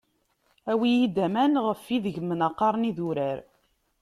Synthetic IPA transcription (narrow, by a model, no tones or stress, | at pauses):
æwijid̪æmænʁəfːiðəʝmənɑqːɑɾˤniðuɾæɾ